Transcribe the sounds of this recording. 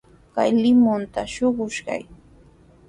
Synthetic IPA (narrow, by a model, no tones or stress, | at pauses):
ka̰jlɪmʊnt̪aʃoɢʊʃɢa̰j